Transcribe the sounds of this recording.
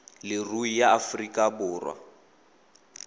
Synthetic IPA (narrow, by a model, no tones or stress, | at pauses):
lɪruijaːfrikʼabʊːrwa̰